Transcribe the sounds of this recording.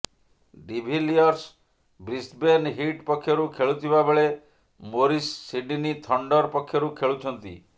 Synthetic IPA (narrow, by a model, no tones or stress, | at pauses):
ɖibʱiliɔɾs | bɾisbenɦiʈpɔkʰːjɔɾukʰeɭut̪ʰibabeɭe | moɾisːiɖinit̪ʰɔɳɖɔɾpɔkʰjɔɾukʰeɭut͡ʃʰɔnt̪ḭ